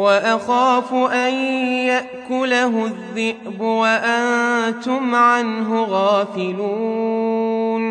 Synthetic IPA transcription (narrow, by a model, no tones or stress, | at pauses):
waʔaxaːfʊʔanjaʔkʊlaɦʊðːɪʔbʊwaʔant̪ʊmʕanɦʊɣaːfɪluːuː | n